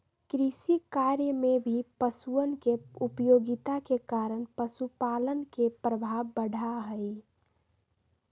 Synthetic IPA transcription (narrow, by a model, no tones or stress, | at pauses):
kɾisikaɾjəmebʱipəsuənkeupəjoɡit̪akekaɾəɳpəsupalənkepɾəbʱaʋːəɽ̤ʱaɦəɪ